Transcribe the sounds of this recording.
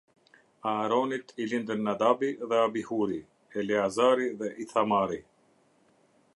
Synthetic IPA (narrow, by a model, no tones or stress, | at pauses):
aːɾoːnit̪ʰilind̪ənːɐd̪aːbiðeabihuːɾi | eliazaːɾiðeʔiθʰamaːɾi